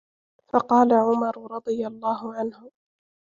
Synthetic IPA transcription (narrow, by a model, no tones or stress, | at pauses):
fɑqɑːlaʕʊmɑɾˤʊɾˤɑd̪ˤɨjalˤːɑːɦʊʕanhʊ